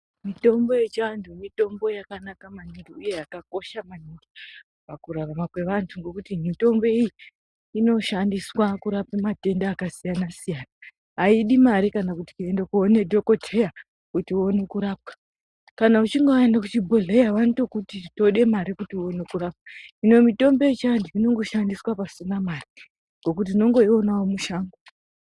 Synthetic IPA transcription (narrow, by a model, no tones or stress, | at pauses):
mito̞mbo̞jet͡ʃantʰumito̞mbo̞jakanakamaniŋɡiuje̞jakako̞ʃamaniŋɡi | pakuraramakwe̞ʋantʰuŋɡo̞kutimito̞mbo̞iji | ino̞ʃandiswakuɾapamate̞ndaːkasijanasijana | ɦaiɗimaɾikanakuti̥kuendekuone̞dʱo̞ko̞tʰe̞ja | kutio̞ne̞kuɾaːp̚kḁ | kanaut͡ʃiŋɡoaendakut͡ʃibʱoɮejaʋantokutito̞ɗe̞maɾikutio̞nekuraːp̚kaino̞mito̞mbe̞it͡ʃaandiino̞ŋɡo̞ʃandiswapasinamari | ŋɡo̞kut̬ino̞ŋɡo̞io̞nawomuʃaːŋɡo